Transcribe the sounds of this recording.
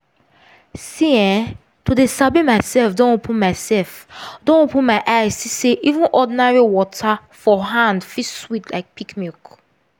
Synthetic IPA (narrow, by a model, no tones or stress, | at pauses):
siɛ̃ | tudesabimaɪsɛlfdɔ̃nopʰũnmaɪsɛlfdõnopũnmaɪʔaɪzsiseʔivũnʔɔdinaɹiwɔtʰa | fɔɦãndfiswitla̰ɪk̚pikmik